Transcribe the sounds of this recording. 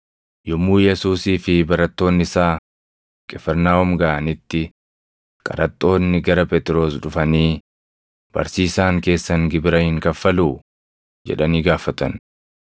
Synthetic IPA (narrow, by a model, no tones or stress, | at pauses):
jʊmːuːjɛsuːsiːfɪbɐɾɐt̪ːo̞ːnːɪsaː | kʼɛfɛɾnaːɔmɡaʔɐnɪt̪ːɪ | kʼɐ̰ɾɐt̪ʼːo̞ːnːɪɡɐɾɐpɛt̪ʼɪɾo̞ːsᶑʊfɐniː | b̥ɐ̰ɾsiːsaːŋke̞ːsːɐŋɡɪbɪɾɐhɪŋkɐfːɐluː | d͡ʒɛ̰ᶑɐniːɡaːfɐt̪ɐ̰n